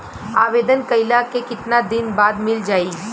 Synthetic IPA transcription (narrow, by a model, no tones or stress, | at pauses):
aːʋeːd̪ənkɐɪlakekɪt̪nad̪ɪnbaːd̪mɪld͡ʒaːiː